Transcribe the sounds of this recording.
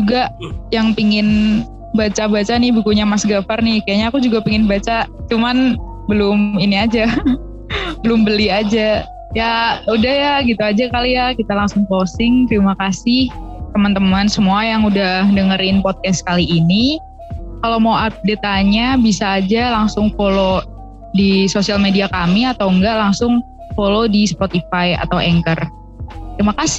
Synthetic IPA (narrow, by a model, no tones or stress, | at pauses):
d͡ʒuɡajaŋpiŋɪn | bat͡ʃabat͡ʃanɪhbukuɲamasɡafarnɪhkajaʔɲaːkud͡ʒuɡapiŋɪnbat͡ʃat͡ʃuman | bəlʊminiad͡ʒa | bəlʊmbəliad͡ʒa | jaudahjaɡit̪uad͡ʒakalijakit̪alaŋsʊŋkosɪŋt̪əɾimakasɪht̪əmant̪əmansəmuajaŋudahdəŋəɾɪnpot̪̚kɛst̪kaliːni | kalowmawap̚det̪aɲabisaːd͡ʒalaŋsʊŋfolo | disosialmediakamiat̪awəŋɡalaŋsʊŋ | folodispot̪ifaja̰t̪awɛŋkər | t̪əɾimakasɪ